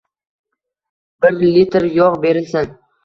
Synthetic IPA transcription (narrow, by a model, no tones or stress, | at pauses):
bɪɾlit̪ɾjɒʁbe̞ɾɪlsɪn